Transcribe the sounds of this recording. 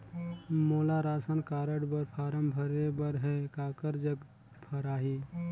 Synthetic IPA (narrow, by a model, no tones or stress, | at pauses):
moːlaɾaːsənkaːɾəɽbəɾpʰaːɾəmbʱəɾebəɾɦɛkaːkəɾd͡ʒəɡ | bʰʱəɾaːɦiː